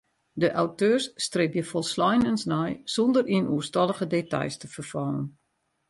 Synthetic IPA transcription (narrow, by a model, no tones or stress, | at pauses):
dəʔawtøːsːtrek̚jəfɔlˠslɔjnənsnɛjsɔndəriənuəstɔlˠəɣədeta̰jstəfərfɔlən